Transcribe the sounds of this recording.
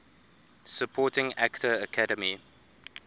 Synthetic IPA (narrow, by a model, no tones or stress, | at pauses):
səpʰɔːtɪ̃ŋaktəəkʰadəmi